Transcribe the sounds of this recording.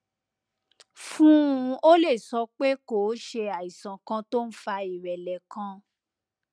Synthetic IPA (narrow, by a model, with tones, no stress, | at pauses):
fũ˦˧o˦le˦˨sɔ˧k͡pe˦ko˨˦ʃe˧a˨i˨sã˨kã˧to˦n̩˦fa˧i˨ɾɛ˨lɛ˨kã˧